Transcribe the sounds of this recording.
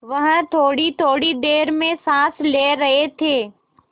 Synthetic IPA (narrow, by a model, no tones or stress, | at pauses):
ʋɐɦt̪ʰoːɽit̪ʰoːɽid̪eːɾmẽsãːsleɾɐɦet̪ʰeː